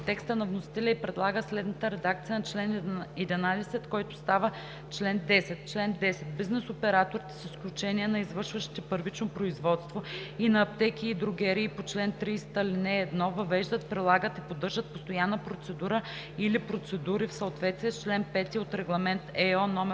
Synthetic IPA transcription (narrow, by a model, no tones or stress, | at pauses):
t̪ɛkst̪ənɐvnʊsi̥t̪ɛlʲɛipɾɛd̪lˠaɡəslɛd̪nət̪əɾɛd̪ak̚t̪sijənɐt͡ʃlɛnɛd̪inad̪ɛsɛt̪kɔjt̪ʊst̪avə | t͡ʃlɛnd̪ɛsɛt̪t͡ʃlɛnd̪ɛsɛt̪̚biznɛsopɛɾat̪oɾit̪ə̥səsklʲut͡ʃɛniɛnɐizvəɾʃvəʃi̥t̪ɛpəɾvit͡ʃnopɾoizvɔt̪st̪voinɐːpt̪ɛkiːd̪ɾʊɡɛɾiːpot͡ʃlɛnt̪ɾiːst̪əlinɛːd̪nɔvɐvɛʒd̪ət̪pɾilˠaɡət̪ipod̪ɤɾʒət̪̚post̪ojanːəpɾot̪sɛd̪uɾə | ilipɾot̪sɛd̪uɾifsəot̪vɛt̪st̪viɛst͡ʃlɛnpɛt̪iot̪ɾɛɡlˠɐmɛnt̪ɛɔnɔmɛ